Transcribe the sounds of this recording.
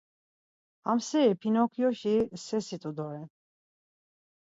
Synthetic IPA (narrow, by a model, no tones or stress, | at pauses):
amsɛɛpʰinɔkʰjɔʃisɛsit̪ʼud̪ɔɾɛn